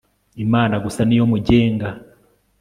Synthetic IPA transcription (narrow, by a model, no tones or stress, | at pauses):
imaːnaɡusanijo̞muɟe̞ːŋɡa